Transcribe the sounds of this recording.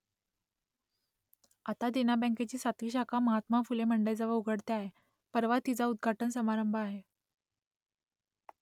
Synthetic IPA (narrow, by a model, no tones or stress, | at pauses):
at̪ad̪enabə̃ŋket͡ɕiːsat̪ʋiːɕakʰaməɦat̪mafuleməɳɖəjd͡zəʋəuɡʱəɽt̪eaɦe | pəɾʋat̪ːit͡saud̪̚ɡʱaʈənsəmaɾəmbʱəaɦe